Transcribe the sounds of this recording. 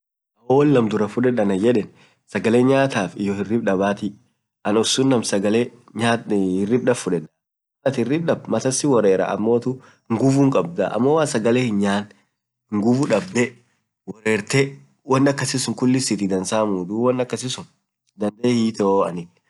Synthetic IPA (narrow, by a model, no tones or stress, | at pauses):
ʔɐwoːwɔlːɐmd̪ʊɾɐfʊᶑɛᶑɐnɐjɛᶑɛn | sɐɡɐleːɲaːt̪aːfɪjɔhɪrːɪbᶑɐbaːt̪ɪ | ʔɐnɔsːʊnːɐmsɐɡɐleː | ɲaːhɪrːɪb̚ɗɐffʊᶑɛᶑɐ̥ | ɐt̪hɪrːɪb̚ᶑɐbmɐt̪ɐsːɪwɔɾeːɾa̰ʔɐ̰mːo̞ːt̪ʊ | ŋɡʊvuːŋkʼɐb̚d̪a̰ʔɐ̰mːowaːsɐɡɐleːhɪɲɲaːn | ŋɡʊfʊᶑɐb̚d̪ɛ | wɔɾeːɾt̪ɛ | wɐnːɐkːɐsɪsʊŋkʊlːɪsɪt̪ɪd̪ɐnsaːmuːd̪uwɐnːɐkːɐsɪsʊn | d̪ɐnd̪eːhiːt̪oɐ̰nɪ